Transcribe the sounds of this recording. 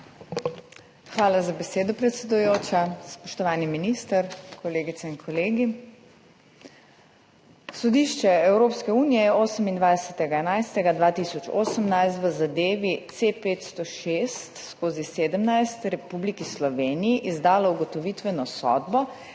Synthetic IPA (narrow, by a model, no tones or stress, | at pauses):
xʋaːlazabɛseːd̪ɔpɾɛt̪sɛd̪ujoːt͡ʃaspɔʃt̪ɔʋaːniminist̪əɾkʰɔleːɡit̪ɛinkʰɔleːɡi | sɔd̪iʃt͡ʃɛɛwɾoːpskɛuːnijɛjɛoːsəmind̪ʋajd̪ɛsɛt̪ɛɡaɛnajst̪ɛɡad̪ʋaːt̪isɔt͡ʃo̰ːsəmnajst̪ʋəzad̪eːʋit̪sepeːt̪st̪ɔʃest̪skoːziseːd̪əmnajst̪ɾɛpublikislɔʋeːnijiʔizd̪aːlɔuɡɔt̪ɔʋit̪ʋɛnɔsɔ̰d̪bɔ